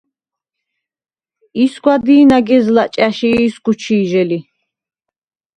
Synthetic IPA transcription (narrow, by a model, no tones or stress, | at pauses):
isɡʷwad̪iːnaɡɛzlat͡ʃʼaʃiːsɡ̥ut͡ʃʰiːʒɛli